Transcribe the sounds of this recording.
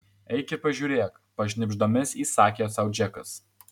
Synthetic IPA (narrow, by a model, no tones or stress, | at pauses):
ɛɪkʲɪpɐʒʲuːɾʲeːk | pɐʃʲnʲɪbʲʒd̪oːmʲɪsiːsɑːkʲesɐʊd͡ʒʲɛkɐs